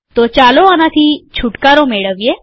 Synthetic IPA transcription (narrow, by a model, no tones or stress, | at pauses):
t̪ɔt͡ɕaloanat̪ʰit͡ɕʰuʈkaɾomeɭəʋje